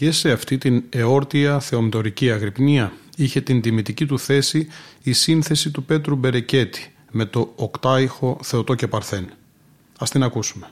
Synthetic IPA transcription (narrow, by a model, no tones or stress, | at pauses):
ce̞se̞ɐft̪it̪ine̞o̞ɾt̪iɐθe̞omet̪o̞ɾiciɐɣɾipniɐiçe̞t̪ind̪imit̪icit̪uθe̞siːsinθe̞sit̪upe̞t̪ɾube̞ɾe̞ce̞t̪i̥ | me̞t̪o̞ːkt̪ɐixo̞θe̞ot̪o̞ce̞pɐɾθe̞n | ɐst̪inɐkusume̞̥